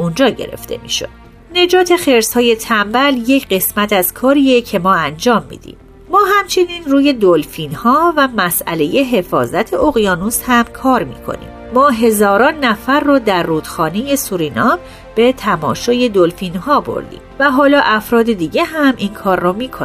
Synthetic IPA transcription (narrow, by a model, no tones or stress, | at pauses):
und͡ʒɒːɟḛɾe̞̰ft̪e̞̰mḭːʃo̞d̪̥ | ne̞d͡ʒɒːt̪ʰe̞xe̞ɾshɒːje̞t̪ʰæmbælje̞cʰɢe̞smæt̪ʰæz̥kʰɒːɾiːecʰe̞mɒːænd͡ʒɒːmːḭːd̪̥ḭmː | ɒːɦæmt͡ʃʰe̞niːnruːje̞d̪olfiːnhɒːvæmæsæ̰le̞je̞ɦe̞fɒ̰ːzæt̪ʰe̞oɣijɒːnushæmkʰɒːɾmḭːkʰo̞̰nḭːmːɒːɦe̞zɒːɾɒːnːæfæɾːɔːd̪æɾːuːd̪̥xɒːneje̞suɾiːnɒ | b̥e̞t̪ʰæmɒ̰ːʃɒːje̞d̪olfinhɒːbo̞̰ɾd̪ḭːmvæɦɒːlɒːʔæfɾɒːd̪e̞d̪iːɟe̞ɦæmʔinkʰɒːɾːɔmiːkʰon